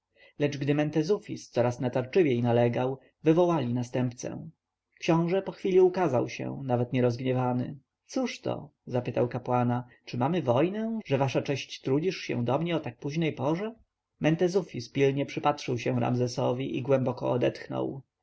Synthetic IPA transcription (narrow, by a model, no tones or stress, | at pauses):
lɛd͡ʐɡd̪ɘmɛnt̪ɛzufʲist̪sɔɾasnat̪aɾt͡ʂɘvʲjejnalɛɡaw | vɘvɔwalʲinast̪ɛmpt̪sɛ̰ | kɕɔ̃w̃ʐɛpɔxfʲilʲiukazawɕɛ̰̃navɛt̪ɲɛɾɔzɡɲɛvanɘ̰ | t̪suʂt̪ɔ̰zapɘt̪awkapwanat͡ʂɘmamɘvɔjnɛ̃ʐɛvaʂat͡ʂɛɕt͡ɕt̪ɾud͡ʑiʂɕɛ̰̃w̃d̪ɔmɲɛɔt̪ak̚puʑnɛjpɔʐɛ | mɛnt̪ɛzufʲispʲilɲɛpʂɘpatʂɘwɕɛw̃ɾa̰mzɛsɔvʲiʔiɡwɛmbɔkɔ̰ɔd̪ɛt̪xnɔ̰w